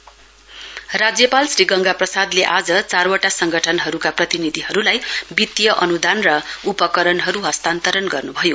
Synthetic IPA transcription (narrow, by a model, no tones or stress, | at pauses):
rad͡zjʌpalsriɡʌŋɡaprʌsad̪leʔad͡zʌt͡sarwaʈasʌŋɡʌʈʰʌnɦʌɾukaprʌt̪inid̪ʱiɦʌɾulajbit̪jʌʔʌnud̪ʱanrʌupʌkʌɾʌnɦʌɾuɦʌst̪ant̪ʌɾʌnɡʌrnubʱʌjo